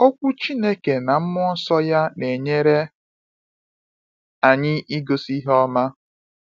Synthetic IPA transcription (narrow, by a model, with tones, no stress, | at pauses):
ɔ˦kʷu˦t͡ʃi˦ne˦ke˨na˨m̩˦mʊ˦sɔ˦ja˦ne˨ɲe˦ɾe˦ | a˨ɲɪ˦ʔi˦ɡo˦si˦ɦɔ˦ma˦